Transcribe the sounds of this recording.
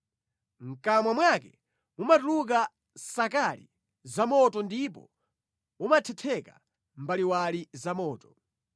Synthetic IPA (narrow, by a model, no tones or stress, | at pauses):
ŋ̩kamwamwakɛ | mumatuluk̬a | sakalḭ | zamɔtɔndipɔ̰ | mumatʰɛtʰɛka̰ | mbaliwalizamɔːtɔ̥